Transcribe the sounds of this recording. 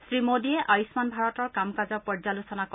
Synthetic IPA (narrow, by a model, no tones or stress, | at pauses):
sɹimodiɛʔajismanbʱaɹɔtɔɹkamkazɔpɔɹzalusɔnakɔ